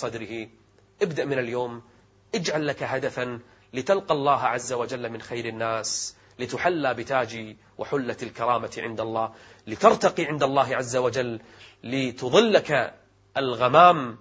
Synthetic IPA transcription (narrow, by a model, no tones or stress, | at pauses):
sˤɑd̪ɾɪhi | ʔɪbd̪aʔmɪnaljoːm | ʔɪd͡ʒʕalːakaɦad̪afan | lɪt̪alqɑlˤːɑːɦʕazːawad͡ʒalːamɪnxajɾɪnːaːs | lɪt̪ʊħalːabɪt̪aːd͡ʒi | wʔa̰ħʊlːaalkɑɾˤɑːmaʕɪ̰nd̪alˤːɑː | lɪt̪ɑɾt̪ɑqiʕɪnd̪alˤːɑːɦʕazːawad͡ʒalː | ɪt̪ʊðˤɨlːaka | ʔalɣamaːm